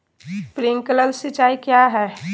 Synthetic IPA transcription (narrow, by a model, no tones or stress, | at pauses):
pɾiŋkələlsɪt͡ʃaːikjaɦɛː